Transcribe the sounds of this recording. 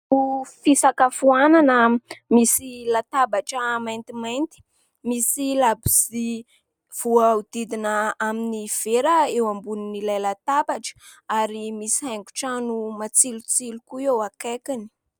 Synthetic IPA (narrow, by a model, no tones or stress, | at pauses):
ufisakafuananəmisilat̪abaʈ͡ʂəmajnt̪imajnt̪i̥ | misilabizi | v̥uaud̪̥id̪inəaminiv̥eɾəewambuninilajlat̪abaʈ͡ʂə̥aɾimisiɦaŋku̥ʈ͡ʂanumat͡silut͡silukuewakakini̥